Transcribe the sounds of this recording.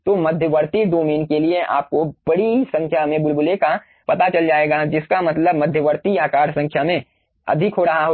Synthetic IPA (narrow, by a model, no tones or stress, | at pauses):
t̪omɐd̪ʱjəʋəɾt̪id̪oːmiːnkelieʔa̰ːp̚kob̥ɐɽisɐ̃ŋkʰjamẽbʊlbʊleka | pɐt̪at͡ʃɐld͡ʒaːeːɡad͡ʒɪskamɐt̪ləbmɐd̪ʱjəʋəɾt̪iaːkaːɾsɐ̃ŋkʰjamẽ | ɐ̰d̪ʱɪkɦoɾɐɦaɦo